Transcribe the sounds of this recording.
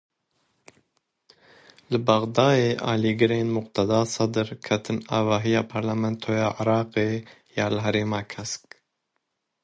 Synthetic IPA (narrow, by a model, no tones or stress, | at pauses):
lɨbɑɣd̪ɑːjeːʔɑ̰ːliːɡɨɾeːnmʊqt̪ʰɛd̪ɑːsɑd̪ɨɾkʰɛt̪ʰɨnɑ̰ːvɑːɦijɑːpʰɑɾlamɛnt̪ʰoːjɑːʕɪɾɑːqe | jɑːlɨɦɛɾeːmɑːkʰɛsk